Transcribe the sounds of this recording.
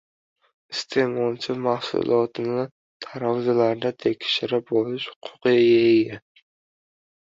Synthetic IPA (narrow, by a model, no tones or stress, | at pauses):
ɪst̪ʰemɒnt͡ʃʰɪmahsʊ̰lˠɒt̪ʰɪnɪ | t̪ʰaɾɒwzalaɾd̪at̪ʰekʲʃɪɾɪp̚bolɪʃhʊ̥qʰʊ̥qɨjaeɡʲa